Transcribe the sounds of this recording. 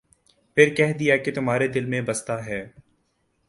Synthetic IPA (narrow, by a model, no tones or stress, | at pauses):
pʰɪɾkɛɦd̪ijaket̪ʊmɦaːɾed̪ɪlmẽbɐst̪aɦɛː